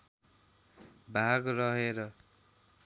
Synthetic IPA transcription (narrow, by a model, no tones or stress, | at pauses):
bʱaɡrʌɦeɾʌ